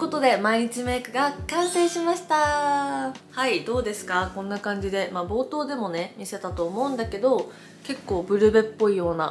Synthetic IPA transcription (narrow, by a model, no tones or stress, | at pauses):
ko̞t̪o̞d̪e̞maiɲ̟it͡ɕime̞ːkɯ̟ɡakãɰ̃sẽ̞ːɕimaɕi̥t̪a | haid̪o̞ːd̪e̞sɨ̥kakõ̞nːakãɲ̟d͡ʑid̪e̞mabo̞ːt̪o̞ːd̪e̞mo̞ne̞mʲise̞t̪at̪o̞ːmo̞ɯ̟̃nd̪ake̞d̪o̞ | ke̞kːo̞ːbɯ̟ɾɯ̟be̞pːo̞ijo̞ːna̰